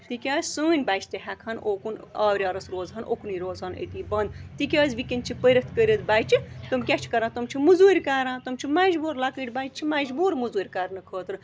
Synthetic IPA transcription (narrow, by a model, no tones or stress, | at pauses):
t̪ikʲaːzʲsuːnʲbaːt͡ʃʰt̪eɦɛkʰɐnoːkunaːʋɾʲaːɾɐsɾoːzɦɐnʔo̰kuniːɾoːzɐnə̰t̪iːbɐnd̪t̪ikʲaːzʋikʲint͡ʃʰipəɾit̪kəɾʲəd̪baːjt͡ʃʰit̪umkʲat͡ʃʰi̥kɐɾãːt̪umt͡ʃʰimuzuːɾʲkaːɾãːt̪umt͡ʃʰimɐd͡ʒbuːɾlakəʈʲbaːt͡ʃt͡ʃʰimɐd͡ʒbuːɾmuzuːɾʲkaːɾnɨkʰəːt̪ɾ